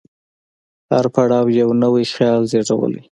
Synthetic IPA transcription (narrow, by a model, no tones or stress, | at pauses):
haɾpaɽɑwjawnəwijxjɑlzeɽawə̰lḭ